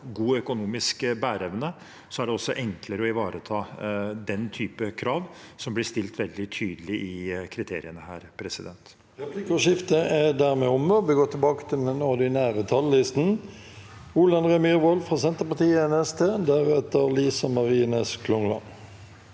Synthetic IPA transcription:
ɡuːœkʊnuːmɪskbæːɾɛʋnə | sɔæɖɛɔsːɔʔɛŋkləɾəɔɪʋɑːɾət̪ʰɑːd̪ɛnt̪ʰyːpəkʰɾɑːʋsɔmblɪʂt̪ɪlt̪ʋɛld̪ɪt̪ʰyːd̪əlɪʔɪkʰɾɪt̪ʰeːɾɪənəhæ̰ːɾpʰɾɛsɪd̪ɛnt̪ | ʁɛpʰlɪkɔʃɪft̪əæd̪æːʁmɛɔmːəʋɪɡoːt̪ʰɪlbɑːkə̥t̪ʰɪlɛnɔʁd̪ɪnæːʁət̪ʰɑlːɪst̪n̩ | uːlɑnʁɛmiːʁʋɔlfʁɑːsɛnt̪əpɑt̪iːəɛnɛst̪ʰeːd̪æʁɛt̪əʁliːsɑmɑʁiːnəskʰlʊŋlɑ̰n

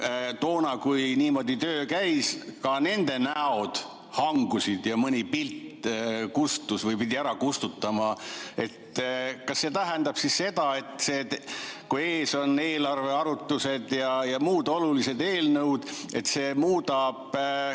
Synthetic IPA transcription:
t̪oːnɑkujniːmo̞d̪it̪øːkæjskɑne̞nd̪̥e̞næo̞d̪̥ | hɑŋɡ̥usid̪jɑmɤnʲipilt̪kust̪ˑusvɤjpid̪ʲiæɾɑkust̪ut̪ːɑmɑe̞t̪kɑsːe̞t̪æɦend̪̥ɑb̥sisse̞d̪̥ɑe̞t̪ːˑse̞kue̞ːso̞ne̞ːlɑrve̞ɑɾut̪ːˑuse̞d̪̥jɑjɑmuːd̪o̞lulise̞d̪e̞ːlnɤwd̪̥e̞t̪se̞ːmuːd̪̥ɑb̥

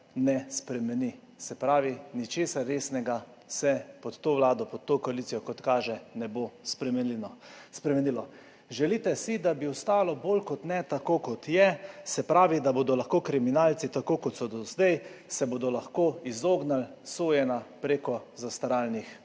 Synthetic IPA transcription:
nɛspɾɛmɛni | sɛpɾaːʋinit͡ʃeːsaɾːeːsnɛɡa | sɛpɔt̪t̪ːoʋlaːd̪ɔpɔt̪̚t̪ːokɔaliːsijɔkɔt̪kaːʒɛnɛbospɾɛmɛnlinɔspɾɛmɛnilɔ | ʒɛlit̪ɛsid̪abiɔst̪aːlɔbolkɔt̪nɛt̪akoːkɔt̪jɛsɛpɾaːʋid̪aboːd̪ɔlaxkoːkɾiminaːlt̪sit̪akoːkɔt̪sɔd̪ɔzd̪ɛjsɛbod̪ɔlaxkoizoːɡnalsoːjɛnapɾeːkɔzast̪aɾaːlnix

